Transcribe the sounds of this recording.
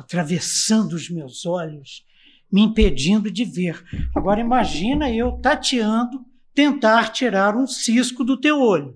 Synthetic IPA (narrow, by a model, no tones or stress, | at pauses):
at̪ɾavesɐ̃nd̪ʊːzmewzɔʎʊs | mɪĩped͡ʒĩnd̪ʊd͡ʒɪveɾaɡɔɾɐimaʒĩnɐewt̪at͡ʃiɐ̃nd̪ʊ | t̪ẽnt̪aɾt͡ʃiɾaɾũsiskʊd̪ʊt̪ewoʎʊ